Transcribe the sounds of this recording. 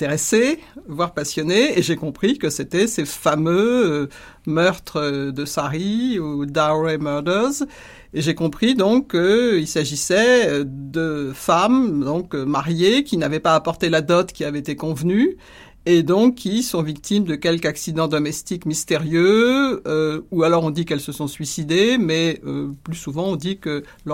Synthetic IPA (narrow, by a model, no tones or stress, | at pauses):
t̪eʁesevwaʁpasjɔneːʒekɔ̃pχikəset̪ɛsefamø | mœʁt̪χəd̪əsaʁiud̪aʁemœʁd̪œʁz | eʒekɔ̃pχid̪ɔ̃kːəilsaʒisɛd̪əfamd̪ɔ̃kmaʁjekʲinavɛpaːpɔʁt̪elad̪ɔt̪kʲiavɛet̪ekɔ̃vny | ed̪ɔ̃kʰːisɔ̃vik̚t̪imd̪əkʲɛlkaksid̪ɑ̃d̪ɔmɛst̪ikmist̪eʁjø | ualɔʁɔ̃d̪ikɛlsəsɔ̃sɥisid̪emɛøplysuvɑ̃ɔ̃d̪ikə